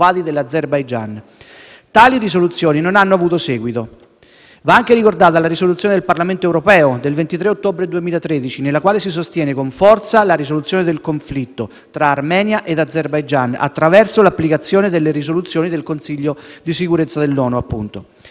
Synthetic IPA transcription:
aːd̪id̪elːad̪zerbajd͡ʒan | t̪aːliris̬olut̪sːjoːninonanːoavuːt̪osɛːɡwit̪o | vaaŋkeɾikord̪aːt̪alaɾisolut̪sːjoːned̪elparlament̪oɛwɾopɛːod̪elvent̪it̪ɾeot̪ːoːbɾed̪uemiːlat̪ɾed̪it͡ʃinelːakwaːlesis̬ost̪jɛːnekoɱfɔrt̪salaɾisolut̪sjoːned̪elkoɱflit̪ːo | t̪ɾaːrmɛːnjaʔed̪ad̪zːerbajd͡ʒana̰t̪ːɾavɛrsolapːlikat̪sːjoːned̪elːeɾis̬olut̪sjoːnid̪elkonsiʎːod̪isikuɾet̪sːad̪elːɔːnuapːunt̪o

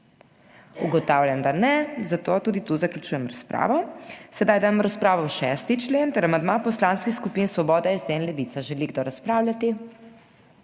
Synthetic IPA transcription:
uɡɔt̪awlʲjamd̪anɛzat̪oːt̪uːd̪it̪uzaklʲut͡ʃuːjɛmɾaspɾa̰ːʋɔsɛd̪ajd̪amɾaspɾaːʋɔwʃɛst̪it͡ʃleːnt̪əɾamand̪mapɔslanskixskupinsʋɔbɔːd̪aizd̪ɛnlɛʋit̪saʒɛliɡd̪oɾaspɾaːwlʲat̪i

